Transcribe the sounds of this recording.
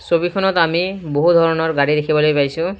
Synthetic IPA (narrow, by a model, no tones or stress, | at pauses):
sobikʰɔnɔtamiboɦud̪ʱɔɹɔnɔɹɡaɹid̪ekʰibɔlojpajsʊ̃